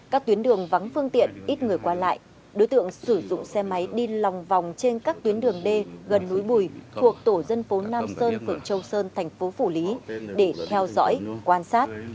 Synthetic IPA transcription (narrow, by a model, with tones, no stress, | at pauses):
kaː˦˥k̚t̪wi˨˦ənɗɨ˨˩əŋva˨˦ŋfɨ˧əŋt̪ḭ˧˨ənʔi˦˥t̚ŋɨ˨˩əjkwaː˧la̰ː˧˨j | ɗo˨˦jt̪ɨ̰˧˨əŋsɨ˧˩zʊ̰˧˨ŋ͡msɛ˧ma˨˦jɗi˧la˨˩wŋ͡mva˨˩wŋ͡mt͡ɕe˧nkaː˦˥k̚t̪wi˨˦ənɗɨ˨˩əŋɗe˧ɣə˨˩nːu˨˦jɓu˧˩jt̪ʰu˨˩ək̚t̪o˧˩zə˧nfo˨˦naː˧msəː˧nfɨ˨˩əŋt͡ɕə˧wsəː˧nt̪ʰɛ˨˩jŋ̟fo˨˦fu˧˩li˨˦ɗe˧˩t̪ʰɛ˧wzɔ̰˧˥jkwaː˧nsaː˦˥t̚